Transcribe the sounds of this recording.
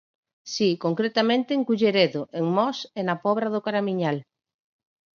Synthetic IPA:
sikoŋkɾet̪amẽnt̪eːŋkuʎeɾeðoʔeŋmɔsenapɔβɾaðʊkaɾamiɲal

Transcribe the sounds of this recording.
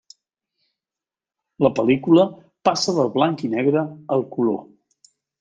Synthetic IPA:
ləpəlikulə | pasəðəlˠβlaŋkinɛɣɾəːlˠkulo̰

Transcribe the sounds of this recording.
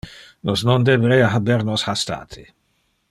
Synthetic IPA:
nosnond̪ɛvɾɛjaɦabɛɾnoshast̪a̰ːt̪ʰɪ

